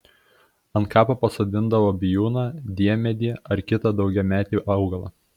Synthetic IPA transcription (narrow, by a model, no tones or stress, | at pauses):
ɐnt̪kɑːpɐpɐsoːd̪ʲɪnd̪ɐʋoːbʲɪjuːnɑd̪ʲiɛmʲɛd̪ʲiːɛɐɾkʲɪt̪ɑd̪ɒʊɡʲɛmʲæːt̪ʲiːʔɐʊɡɐlˠɐ